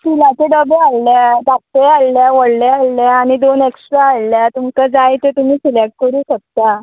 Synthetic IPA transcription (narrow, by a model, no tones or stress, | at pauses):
kilãt͡ɕeɖəbealːad̪akt̪ealːjaʋəɽlealːaaɽ̃id̪oneksʈɾaːlljat̪umkad͡zajt̪et̪um̤iːsilɛkʈ̚kəɾuːɕək̚t̪a